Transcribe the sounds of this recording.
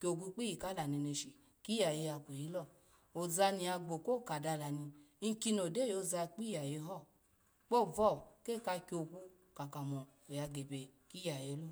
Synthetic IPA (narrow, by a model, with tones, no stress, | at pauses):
kʲo˨kʷu˧˦k͡pi˦ji˨ka˦la˨ni˧ne˧ʃi˨ | ki˦ja˨je˧ja˧ko˨ji˦lɔ˦˨ | o˨za˧ni˧a˧ɡ͡bo˨ko˦˨ka˨da˧la˨ni˧˦ŋ̩˦ki˧˦no˨de˦˨jo˧za˧k͡pi˦ja˨je˧˦ɦɔ˦˨ | k͡po˦˨vɔ˦˨ke˦˨ka˧kʲo˨ku˧ | ka˨ka˨mɔ˨o˨ja˧ɡe˨be˨ | ki˦ja˨je˧˦lu˦˨